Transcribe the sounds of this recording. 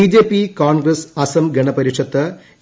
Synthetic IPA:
iːd͡ʑeːpːikaːnɡɾɐsɐsɐmɡeɳɐpɐɾikʂɐt̪ːɨ

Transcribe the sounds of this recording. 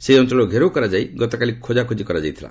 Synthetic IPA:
seiɔnt̪ɾɔlɡʱeɾowkɔɾad͡ʒaiɡɔt̪ɔkalikʰod͡ʒakʰud͡ʒikɔɾad͡ʒajt̪ʰila̰

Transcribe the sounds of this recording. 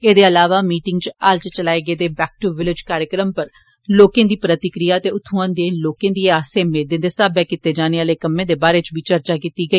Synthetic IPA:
eːd̪eːəlaːʋaːmiːʈɪŋɡt͡ʃaːlt͡ʃt͡ʃəlaːeːɡəeːd̪eːbɛːk̚ʈuʋɪlɪd͡ʒkaːɾjəkɾəmpəɾ | loːkẽːd̪iːpɾət̪ɪkɾijaːt̪eːʊt̪ʰːũãːnd̪eːloːkẽːd̪iːaːseːmeːd̪ɪ̃ːnd̪eːsaːbɛːkɪt̪eːd͡ʒaːneːaːleːkəmẽːd̪eːbaːɾeːt͡ʃʋiːt͡ʃəɾt͡ʃaːkiːt̪iːɡəiː

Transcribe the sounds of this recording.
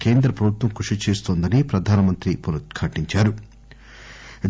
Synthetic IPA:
ke̞ːnd̪ɾɐpɾɐbʱut̪ʋɐmkuʂit͡ʃeːst̪oːnd̪ɐnipɾɐd̪ʱaːnɐmɐnt̪ɾipolkʰaːʈiɲt͡ʃaːɾu

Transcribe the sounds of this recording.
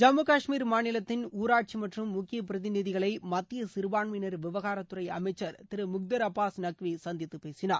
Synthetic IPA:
d͡ʒɐmːɯkaːʂmiːɾmaːnɪlɐt̪ːɪnuːɾaːʈ̚t͡ʃimɐʈrɯmːʊkːɪjɐpɪɾɐðɪnɪðɪɣɐɭɐɪmɐt̪ːɪjɐsɪɾɯʋaːɳʋɪnɐɾʋɪʋɐɣaːɾɐt̪ːʊrɐɪɐ̰mɐɪt͡ʃːɐɾt̪ɪɾɯmʊk̚d̪ɐɾɐpːaːsnɐkʋisɐnd̪ɪt̪ːɯpeːsɪna̰ːɾ

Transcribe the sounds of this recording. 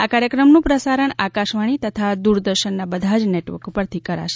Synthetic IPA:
akaɾjəkɾəmnũpɾəsaɾəɳakaʃʋaɽ̃it̪ət̪ʰad̪uɾd̪əɾʃənːabəd̪ʱad͡ʒneʈʋə̰ɾkupəɾt̪ʰikəɾa̰ʃe

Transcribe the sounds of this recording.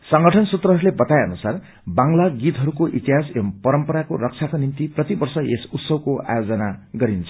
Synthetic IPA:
sʌŋɡʌʈʰʌnsut̪rʌɦʌɾulebʌt̪aeʌ̰nusar | baŋlaɡit̪ɦʌɾukoʔit̪iɦasempʌɾʌmpʌɾakorʌk̚t͡sʰakonimt̪iprʌt̪ibʌrsʌḛsut̪sʌbkoa̰jod͡zʌnaɡʌɾint͡sʰʌ̥

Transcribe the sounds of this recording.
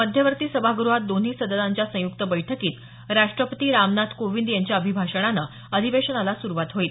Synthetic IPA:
məd̪ʱjəʋəɾt̪iːsəbʱaɡuɾuɦat̪̚d̪on̤iːsəd̪əlãɲt͡ɕjasə̃jukt̪əbəjʈʰəkiːt̪ | ɾaʂʈɾəpət̪iːɾamnat̪ʰkoʋind̪jaɲt͡ɕjaəbʱibʱaʂəɽ̃ana | əd̪ʱiʋeɕənalasuɾuʋat̪ɦoiːt̪

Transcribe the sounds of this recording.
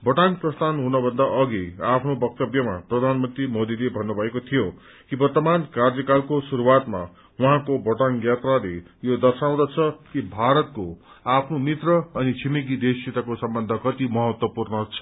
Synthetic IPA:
bʌʈanprʌst̪ʰanɦunʌbʱʌnd̪aʔʌɡiapʰnobʌk̚t̪ʌbjʌma̰prʌd̪ʱanmʌnt̪rimod̪ilebʱʌnːubʱʌekot̪ʰijo | kibʌrt̪ʌmankard͡zʌkalkosuɾuwat̪ma̰ | wʌɦãkobʌʈanjat̪rale | jod̪ʌrsaw̃d̪at͡sʰʌkibʱaɾʌt̪̚ko | apʰnomit̪rʌʌnit͡sʰimiɡid̪esit̪akosʌmbʌnd̪ʱʌkʌt̪imʌɦʌt̪wʌpurnʌt͡sʰʌ̥

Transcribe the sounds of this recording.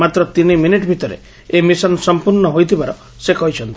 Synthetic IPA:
mat̪ɾɔt̪iniminiʈbʱit̪ɔɾḛ | emisɔnsɔmpuɾɳɔɦojt̪ʰibaɾɔ | sekɔɦit͡ʃʰɔnt̪i̥

